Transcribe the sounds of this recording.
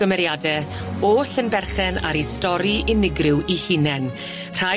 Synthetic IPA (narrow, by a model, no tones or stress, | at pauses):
əmɛɾjadɛ | oːɬənbɛrχɛna̰ɾistɔɾiʔɪnɪɡrɪwihinɛn | r̥a